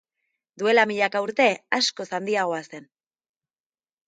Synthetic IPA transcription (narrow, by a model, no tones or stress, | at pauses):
d̪ue̞lamiʎakauɾt̪e̞asko̞sand̪iaɣ̞o̞ase̞n